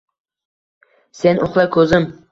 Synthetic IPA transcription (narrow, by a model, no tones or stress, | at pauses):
senoχlˠakʰɵzɪm